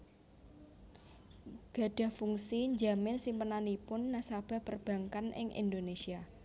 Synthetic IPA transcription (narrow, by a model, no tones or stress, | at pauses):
ɡ̥a̤ɖ̥ä̤hfuŋsiɲd͡ʒamɪnsimpənanipʊnːasab̥a̤pərb̥ä̤ŋkanʔɪ̰ŋʔḭnd̪onesia